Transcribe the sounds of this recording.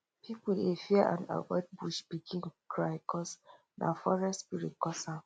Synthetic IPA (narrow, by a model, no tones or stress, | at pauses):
pʰipuefiəʔã̰na̰vɔɪd̚buʃb̥iɡĩnkʰɹaɪkʰɔs | na̰fɔɹɛstspiɹit̚kɔsa